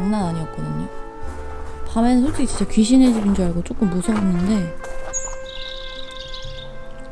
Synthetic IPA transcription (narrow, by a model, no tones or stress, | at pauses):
ŋnanaɲiʌt̚k͈̚ʌdɯɲḭ | pamenɯnsʰot͡ɕ͈ʰiɡit͡ɕint͡ɕ͈ʰʌkɥiɕʰined͡ʑiɡind͡ʑaɭɡot͡ɕ͈ok͈ɯmːusʰʌɦenːɯnde̞